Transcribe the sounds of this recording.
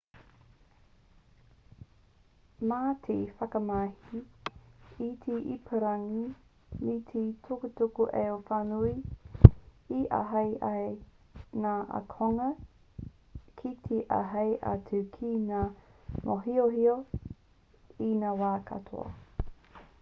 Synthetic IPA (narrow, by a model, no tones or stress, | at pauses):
maːtʰifɐkɐmahi | itʰiʔipʰəɾaŋi | mitʰitʰokutokuʔeofanui | iʔa̰ɦɐjʔɐj | naːɐ̰kʰoŋɐ | kʰitʰeʔa̰ɦɐjʔa̰tʰʉkʰinaːmʔoɦioɦio | inaːwaːkʰɐ̰tʰo̰ɐ̰